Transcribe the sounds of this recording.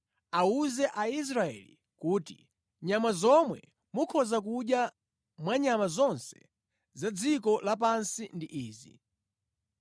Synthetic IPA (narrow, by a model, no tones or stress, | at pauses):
auzɛʔais̬ɾaɛ̰lḭ | kuːti | ɲamazɔmwɛ | mukʰɔzak̬uɗja | mwaɲamazɔnsɛ̥̰ | zad͡zikɔlap̬ansindiʔiːzḭ